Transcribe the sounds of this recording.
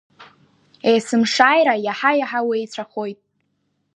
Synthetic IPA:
ejsɨmʂaːjɾajaħajaħawejt͡sʷʰaχo̞jtʼ

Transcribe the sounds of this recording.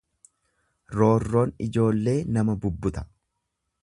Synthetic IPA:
ɾo̞ːrːo̞ːnɪd͡ʒo̞ːlːe̞ːnɐmɐbʊbːʊt̪ɐ̥

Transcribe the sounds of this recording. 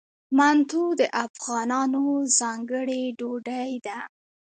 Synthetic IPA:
mant̪ud̪əʔafɣɑnɑnozɑŋɡəɽeɖoɖajd̪a

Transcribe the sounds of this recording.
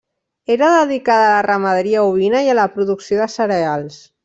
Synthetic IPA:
eɾəðəðikaðːlərəməðɾiauβinajaləpɾuðuksioðəsəɾealˠs

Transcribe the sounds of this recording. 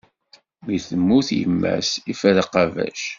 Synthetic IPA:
miθəmːuθjə̰mːæ̰sifæðqɑvæ̰ʃ

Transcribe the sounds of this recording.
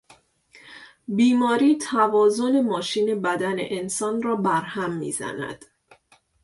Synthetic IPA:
biːmɒːɾiːt̪ʰævɒːzo̞ne̞mɒːʃiːne̞bæd̪ænḛʔensɒːnrɒːbæɾhæmːḭːzæ̰næ̰d̪̥

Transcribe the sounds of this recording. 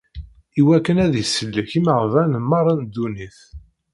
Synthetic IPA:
iwækːənæðisəlːəçiməʁvænmɑɾˤːɑnd̪uniθ

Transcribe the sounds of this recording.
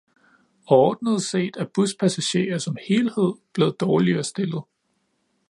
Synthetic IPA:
ɒːd̥nəð̞̩ˠse̝̰ːd̥æɐb̥uspʰæsæɕe̝̰ːɐsɒ̽mhe̝ːlhe̝ð̞̰ˠb̥le̝ːð̞̩ˠd̥ɒːliɐsd̥e̝lð̩ˠ

